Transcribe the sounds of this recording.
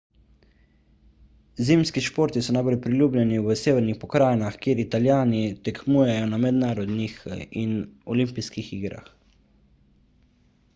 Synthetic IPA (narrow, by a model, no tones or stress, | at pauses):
ziːmskiʃpoːɾt̪isɔnajbɔljpɾilʲjuːblʲɛniʋəseːʋɛɾnixpɔkɾaːjnaxkjeːɾit̪aljaːnit̪ɛkʰmuːjɛjɔnamɛd̪naːɾɔd̪nixinɔlimpiskixiːɡɾa̰x